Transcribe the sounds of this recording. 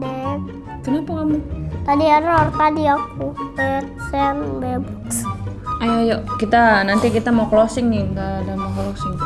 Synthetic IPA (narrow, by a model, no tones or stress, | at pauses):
dɛ | kənapakamut̪adiaɾɔrt̪adiakuajatsaaŋbebu | ajojoʔkit̪anant̪ikit̪amawklosɪŋniɡadamawklosɪŋ